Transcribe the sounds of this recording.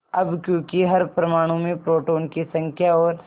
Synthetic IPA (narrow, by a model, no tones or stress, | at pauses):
ɐbkjõːkiɦɐɾpɾɐmaːɽ̃ũmẽpɾoːʈoːnkisɐ̃ŋkʰjaɔːɾ